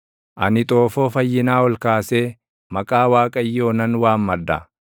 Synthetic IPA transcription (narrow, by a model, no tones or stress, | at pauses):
ʔɐnɪt̪ʼo̞ːfo̞ːfɐjːɪnaːwɔlkaːseː | mɐkʼaːwaːkʼɐjːo̞ːnɐnwaːmmɐd̪ɐ̰